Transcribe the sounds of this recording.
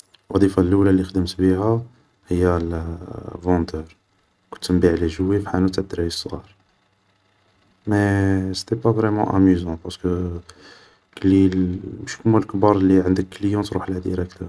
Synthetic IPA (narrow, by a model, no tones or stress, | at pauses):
lwɑd̪ˤifalːulalːixd̪əmt̪bihæ | həjːæl | vɑ̃d̪əɾ | kʊ̥nt̪ːəmbiʕlæʒəwifiħanut̪ʕəd̪ːɾæisˤːɣɑ̰ɾ | mɛst̪ɛpavʁɛmɑ̰̃ʔæ̰myzɑ̃pɑʁskə | klːimʃkmulkbɑɾˤlːiʕənd̪əkːləjɑ̃t̪ɾuħlæd̪iɾək̚t̪əɾ